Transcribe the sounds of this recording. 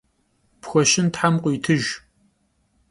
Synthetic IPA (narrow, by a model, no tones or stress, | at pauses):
pxʷɔʃɪntħamqʷʊjtʰɨʒ